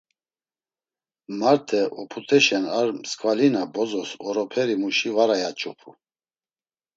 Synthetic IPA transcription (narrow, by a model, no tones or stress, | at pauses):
maɾt̪ʰɛʔɔpʰut̪ʰɛʃɛnaɾmskʼvalinabɔzɔsɔɾɔpʰɛɾimuʃivaɾajat͡ʃʼɔpʰu